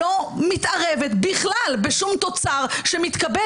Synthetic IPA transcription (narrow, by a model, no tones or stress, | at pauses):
o̞mit̪ʔaʁevet̪biχlalbeʃumt̪o̞t͡saʁʃemit̪kabe